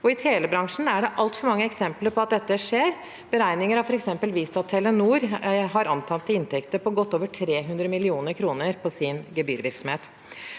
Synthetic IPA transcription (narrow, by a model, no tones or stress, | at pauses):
ɔɪt̪ʰeːləbɾɑŋʂɳ̩æɖɛʔɑlt̪fɔɾmɑŋːəɛksɛmpləɾpʰɔɑt̪̚d̪ɛt̪ːəʂeːɾ | b̥əɾæɪnɪŋəɾɑfɔɾɛksɛmpəlʋiːst̪ɑt̪ʰːɛlənuːɾɦɑɾɑnt̪ʰɑnt̪ːəɪnt̪ʰɛkt̪əpʰɔɡɔt̪ːoːʋəʈʰɾeːɦʉnd̪ɾəmɪlɪuːnəɾkʰɾuːnəɾpʰɔsɪnɡɛbyːɾʋɪɾksɔmheːt̪